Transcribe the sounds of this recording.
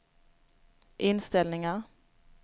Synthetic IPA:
ʔɪnst̪ɛlnɪŋaʁ

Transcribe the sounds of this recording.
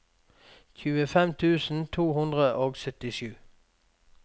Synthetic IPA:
çʉːəfɛmt̪ʰʉːsn̩t̪ʰuːhʉnd̪ʁəʔoːɡsœt̪ɪʃʉː

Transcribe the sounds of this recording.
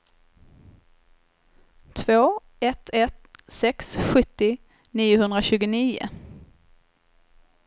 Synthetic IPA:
t̪ʰvoː | ɛt̪ʰɛt̪sɛksɧɵt̪ːɪ | niːʊhɵnd̪ɾaɕʉ̟ːɡʊniːʊ̰

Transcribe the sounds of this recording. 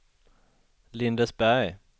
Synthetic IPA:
lɪnd̪əsbæ

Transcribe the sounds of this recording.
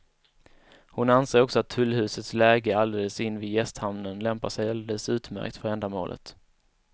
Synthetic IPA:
hʊnanseːɾɔksɔat̪ʰːɵlːhʉ̟ːsət̪slɛːɡəald̪eːləsɪnːvɪːd̪jɛst̪hamnənlɛmpaʂɛjald̪eːləsʉ̟ːt̪mæ̰ɾk̚t̪fœɾɛnd̪amo̰ːlʔə̰t̪

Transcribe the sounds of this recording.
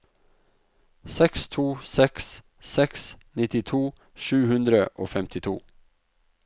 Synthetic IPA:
sɛkst̪ʰuːsɛks | sɛksnɪt̪ɪt̪ʰuː | ʃʉːhʉnd̪ɾəʔo̰ːfɛmt̪ʰɪt̪ʰṵː

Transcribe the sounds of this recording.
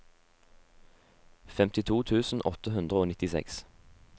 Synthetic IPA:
fɛmt̪ɪt̪ʰuːt̪ʰʉːsn̩ʔɔt̪əhʉnd̪ʁəoːnɪt̪ɪsɛ̰ks

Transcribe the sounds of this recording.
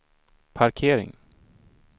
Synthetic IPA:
pʰaɾkʰeːɾɪ̰ŋ

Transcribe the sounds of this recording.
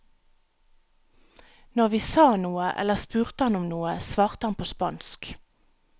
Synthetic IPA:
nɔʁʋiːsɑːnuːəʔɛ̰ləʁspʉːʁt̪əhɑnʊmnuːəsʋɑːʁt̪əhɑnpʰoːspɑnsk

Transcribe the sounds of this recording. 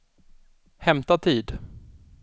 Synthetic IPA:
hɛmt̪at̪ʰiːd̪

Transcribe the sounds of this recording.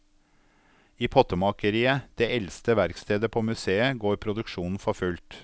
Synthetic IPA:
iːpʰɔt̪əmɑkəɾiːəd̪̥eːɛlst̪əʋæɾkst̪ʰeːd̪əpʰoːmʉseːəɡoːɾpʰɾʊd̪ʉkʃuːnn̩fɔfʉlt̪

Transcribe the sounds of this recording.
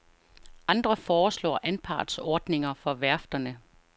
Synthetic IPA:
ʔɑ̈nd̥ʁɐfɒːslɒ̰ːʔænpʰɑ̰̈ːd̥sɒːd̥ne̝ŋɐfɒ̽ʋæɐfd̥ɐnə

